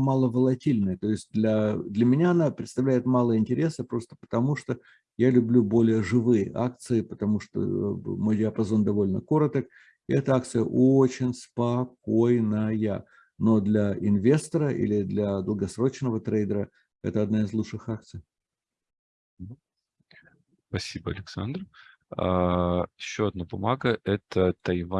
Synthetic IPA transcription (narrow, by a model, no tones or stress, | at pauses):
malˠəvəlˠɐtʲilʲnəjət̪o̞ɪsʲt̚ʲd̪lʲɐd̪lʲəmʲɪnʲaɐnapɾʲɪt̪st̪ɐvlʲæɪt̪malˠəəɪnʲtʲɪɾʲe̞səpɾo̞st̪ə̥pə̥t̪ɐmuʂt̪o | jalʲʊblʲubo̞lʲɪjəʐɨvɨjəʔa̰k̚t̪sɨɪpət̪ɐmuʂt̪o̰mojdʲɪɐpɐzo̞nd̪ɐvo̞lʲnə̰ko̞ɾət̪ək | ɪɛt̪əak̚t̪sɨjə̰ʔot͡ɕɪnʲspɐko̞jnəja̰ | no̞d̪lʲɐɪnvʲe̞st̪əɾəʔḭlʲɪd̪lʲɐd̪əlˠɡɐsɾo̞t͡ɕnəvət̪ɾejd̪əɾə | ɛ̰t̪əɐd̪naɪzlˠuʂɨxak̚t̪sɨj | spɐsʲibəɐ̰lʲɪksa̰nd̪r | a̰ɪɕːoɐd̪̚nabʊmaɡəʔɛt̪ət̪ɐjva